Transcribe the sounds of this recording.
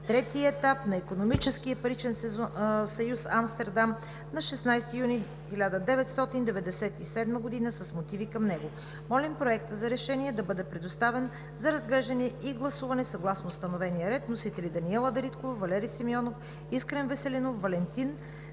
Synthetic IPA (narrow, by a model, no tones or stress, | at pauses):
t̪ɾɛt̪iəɛt̪apnɐikonomit͡ʃɛskijɐpɐɾit͡ʃɛnsɛsɐjusamst̪ɛɾd̪am | nɐʃɛsnajst̪ijuni | xilʲad̪əd̪ɛvɛt̪st̪ɔt̪ind̪ɛvɛd̪ɛsɛt̪isɛd̪məɡod̪inəsɐsmot̪ivikɐmnɛɡo | mɔlʲimpɾoɛk̚t̪əzɐɾɛʃɛniɛd̪ɐbɤd̪ɛpɾɛd̪ost̪avɛn | zɐɾɐzɡlɛʒd̪ɐnɛiɡlˠɐsuvɐnɛsɐɡlˠasnost̪ɐnovɛnijəɾɛt̪nosit̪ɛlid̪ɐniɛlˠəd̪ɐɾit̪kovɐvɐlɛɾisimiɔnof | iskɾɛnvɛsɛlinofvɐlɛnt̪in